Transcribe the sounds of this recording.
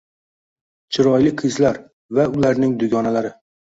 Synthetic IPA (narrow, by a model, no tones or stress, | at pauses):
t͡ʃʰɪɾɒjlɪqʰɨzlaɾ | vaʊlaɾnɪŋd̪ʊɡʲɒnalaɾɪ